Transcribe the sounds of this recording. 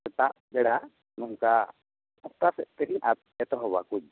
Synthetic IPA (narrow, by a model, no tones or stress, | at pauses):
sɛt̪aʔ | bɛɽa | nɔŋka | ɔt̪asɛʔ̚t̪ɛɾiʔat̪ | ɛt̪ɔɦɔba̰kud͡ʒ̚